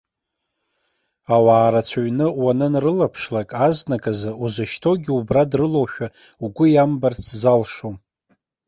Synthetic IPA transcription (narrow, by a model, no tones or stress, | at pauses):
awaːɾat͡sʷʰaɥnɨwanɨnrɨlapʰʂlakʼaznakʼazauzaʃtʰo̞ɡʲɪubradrɨlowʃᶣa | uɡʷʊjambart͡sʰzalʂom